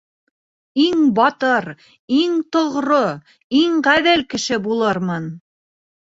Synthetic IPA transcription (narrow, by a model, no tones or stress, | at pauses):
iŋbɑt̪ɤɾ | iŋt̪ŏʁɾo | iŋʁæðælkɘ̆ʃɘbulˠɤɾmɤn